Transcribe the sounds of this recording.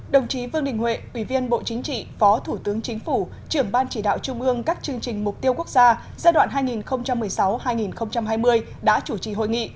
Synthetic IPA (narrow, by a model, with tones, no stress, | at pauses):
ɗə˨˩wŋ͡mt͡ɕi˨˦vɨ˧əŋɗï˨˩ŋ̟wḛ˧˨ʔwi˧˩vi˧ənɓo̰˧˨t͡ɕï˨˦ŋ̟t͡ɕḭ˧˨fɔ˨˦t̪ʰu˧˩t̪ɨ˨˦əŋt͡ɕï˨˦ŋ̟fu˧˩ | t͡ɕɨ˧˩əŋɓaː˧nt͡ɕi˧˩ɗa̰ː˧˨wt͡ɕʊ˧ŋ͡mʔɨ˧əŋkaː˦˥k̚t͡ɕɨ˧əŋt͡ɕï˨˩ŋ̟mʊ˨˩k͡p̚t̪i˧əwku˦˥k̚zaː˧ | zaː˧jɗwa̰ː˧˨nɦaː˧jŋi˨˩nxə˧wŋ͡mt͡ɕa˧mːɨ˨˩əjsa˨˦whaː˧jŋi˨˩nxə˧wŋ͡mt͡ɕa˧mɦaː˧jmɨ˧əj | ɗa̰ː˧˥t͡ɕu˧˩t͡ɕḭ˧˨˩ɦo̰˧˨jŋḭ˧˨